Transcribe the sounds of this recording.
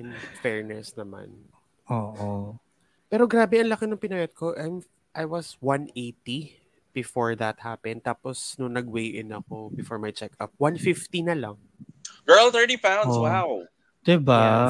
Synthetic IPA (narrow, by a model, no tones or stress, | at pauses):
nfɛɹnɛsnɐma̰n | ʔoːʔo | pɛːɾoɡɾaːbɛɐŋlɐkɪnɐŋpɪnɐjɐt̪̚koʔajm | ʔajwɐswɐ̃nejt̪i | b̥ɪfoɹðɐt̪̚hapɛn̚t̪aːposnʊnɐɡwejʔɪnɐko̞bɪfoɹmajt͡ʃɛkɐ̰p̚wanfift̪inɐlɐŋ | ɡ̥ɜ˞lθɜ˞tipãwnswaw | d̪̥ɪba